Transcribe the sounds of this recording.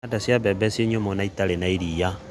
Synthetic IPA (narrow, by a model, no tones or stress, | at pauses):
adasjabɛbɛsjeɲomonaitalenaiɾija